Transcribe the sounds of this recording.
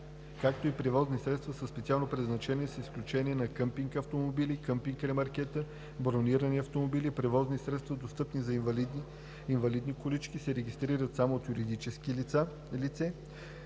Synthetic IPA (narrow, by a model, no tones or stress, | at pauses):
kakt̪oipɾɛvɔznisɾɛt̪st̪vəsəspɛt̪sialˠnopɾɛd̪znɐt͡ʃɛnʲiɛsisklʲut͡ʃɛniɛnɐkɤmpiŋkɐft̪omobilikəmpiŋkɾɛmɐɾkɛt̪ə | bɾoniɾəniɐft̪omobilipɾɛvɔznisɾɛt̪st̪vɐd̪ost̪ɤpnizɐvlid̪ | invɐlid̪nikolit͡ʃkisɛɾɛɡʲist̪ɾiɾət̪samoːt̪juɾid̪it͡ʃɛskilit̪sa | lit̪sɛ